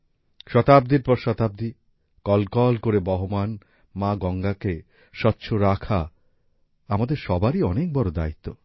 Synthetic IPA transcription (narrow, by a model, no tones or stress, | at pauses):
ʃɔt̪ab̚d̪iɾpɔɾʃɔt̪ab̚d̪i | kɔlkɔlkoɾebɔɦoman | mãɡɔŋɡake | ʃɔtːɕʰoɾakʰa | amad̪eɾʃɔbaɾiɔnek̚bɔɾod̪ait̪ːo